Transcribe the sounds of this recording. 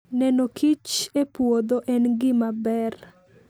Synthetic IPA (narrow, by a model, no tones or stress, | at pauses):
nɛnokʰit͡ʃepwod̪oʔɛnɡɪmabɛr